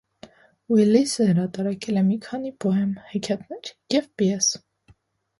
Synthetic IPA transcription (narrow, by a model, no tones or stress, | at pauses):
wilisəhəɾɑt̪ɑɾɑkʰɛlɛmikʰɑnipɔɦɛmhɛkʰɑt̪nɛɾjɛvpiɛs